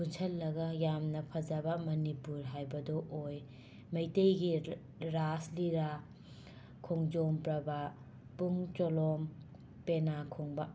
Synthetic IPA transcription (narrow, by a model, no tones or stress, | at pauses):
kʰunsʰɐlːɐɡɐjamnɐpʰɐd͡ʒɐbɐmɐnipuɾɦajbɐdɔʔoj | mɐjtejɡi | ɾasliɾa | kʰoŋd͡ʒompɾɐba | puŋt͡ʃolɔm | penakʰoŋbɐ